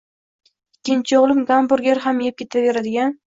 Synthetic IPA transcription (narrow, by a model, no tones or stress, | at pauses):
ɪkʲʰːɪnt͡ʃʰɪoʁlˠɪmɡambʊɾɡʲeɾɦamjɪp̚kʲʰe̞t̪ʰave̞ɾad̪ɪɡʲan